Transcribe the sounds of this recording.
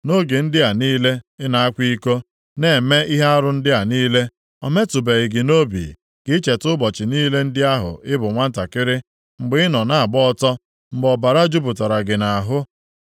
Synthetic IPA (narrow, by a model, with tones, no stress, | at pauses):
no˦ɡe˨n̩˦dɪ˦a˨niː˦le˦ɪ˦na˨a˦kʷi˦ko˦ | ne˨e˨me˦i˦ɦe˦a˦ɾʊ˦n̩˦dɪ˦a˨niː˦le˦ | ɔ̰˨me˦tʊ˨be˨ɾɪ˨ɡɪ˨no˦bḭ˨ | ɡ̥ɪ˦t͡ʃe˨tʊ˦bɔ˨t͡ʃɪ˨niː˦le˦n̩˦dɪ˦a˦ɦʊ̰˨ʔɪ˦bʊ˨ŋʷa˦n̩˦ta˨kɪ˦ɾɪ˦ | ŋ͡m̩˨ɡ͡bɪ˦ɪ˦nɔ˨na˨a˨ɡ͡bɔ˦ɔ˦tɔ˦ | ŋ͡m̩˨ɡ͡bɔ˨ba˨ɾa˦d͡ʒu˦bʊ˨ta˨ɾa˨ɡɪ˨na˨ɦʊ˦